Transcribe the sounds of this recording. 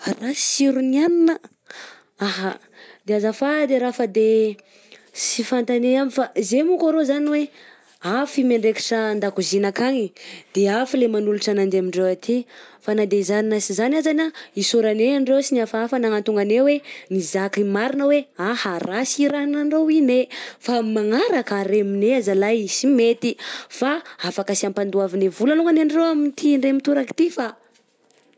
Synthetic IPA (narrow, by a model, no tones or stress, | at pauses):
rasiɾunianinə | aɦa | d̪̥eazafad̪eɾafəd̪e | sifant̪aneamifazemukaɾozaniwe | afimeɳɖ͡ʐeki̥ʈ͡ʂəːnd̪akuzinakaŋid̪̥eafilemanuluʈ͡ʂanand̪eamiɳɖ͡ʐewat̪ʰefanad̪eizaninəsizanazanaisuɾaneaɳɖ͡ʐewsiniafaafanaŋant̪uŋɡanewenizakimaɾinaweahaɾasiɾanaɳrowinefamaŋaɾakaɾemineazalajsimet̪ifaafakasiampand̪uavinevulaluŋɡanaɳɖ͡ʐewamint̪ʰiɳɖ͡ʐemit̪uɾaki̥t̪ifa